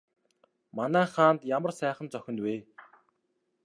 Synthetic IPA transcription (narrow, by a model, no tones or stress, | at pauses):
manæːχaːnt̪jamə̆rsæːχə̆nt͡sœxʲɪ̆nt̪weː